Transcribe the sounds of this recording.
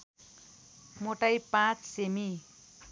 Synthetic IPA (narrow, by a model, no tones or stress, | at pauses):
moʈajpãt͡ssemi